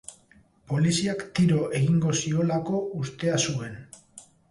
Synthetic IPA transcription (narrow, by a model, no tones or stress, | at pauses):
po̞lisiakt̪iɾo̞ʔe̞ɣiŋɡo̞sio̞lako̞ust̪e̞asue̞n